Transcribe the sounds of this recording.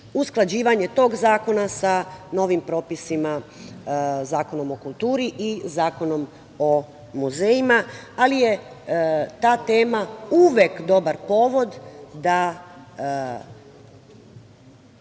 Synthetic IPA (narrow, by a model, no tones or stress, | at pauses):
usklˠad͡ʑiːʋaɲe̞t̪o̞ːɡzaːko̞nasano̞ːʋimpɾo̞ːpisima | zaːko̞no̞mo̞kulˠt̪uːɾiʔizaːko̞no̞m | o̞ | muzeːjimaalije | t̪aːt̪e̞ːmauʋekd̪o̞baɾpo̞ʋo̞d̪ːa